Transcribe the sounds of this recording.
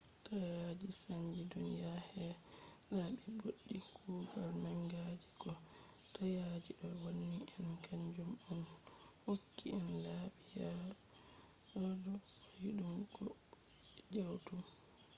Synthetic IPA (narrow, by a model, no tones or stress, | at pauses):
tajad͡ʒisaɲd͡ʒidɔnjahɛ | ɗaɓɛboɗːikʰuːɡalnaŋɡad͡ʒiɡɔ | tajad͡ʒiɗɔwonːiʔɛnkʰaɲd͡ʒumɔn | hokːiɛnlaɓijaɾa | ɔdɔwajiɗumɡɔ | d͡ʒawtum